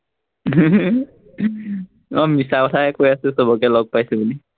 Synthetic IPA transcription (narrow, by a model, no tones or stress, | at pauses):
ɔmisakɔtʰakojasɛsɔbɔkalɔɡ̚pajsɛbuli